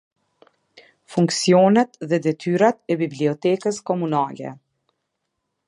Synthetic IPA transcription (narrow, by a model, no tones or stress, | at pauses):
fuŋksijɔnɛt̪ðɛd̪ɛt̪yɾat̪̚ɛbibliɔt̪ɛkəskɔmunalɛ̰